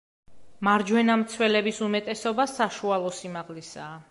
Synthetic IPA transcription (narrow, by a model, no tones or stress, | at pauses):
maɾd͡ʒwɛnamt̪sʰwɛlɛbisumɛt̪ʼɛsɔbasaʃualˠɔsimaʁlisaː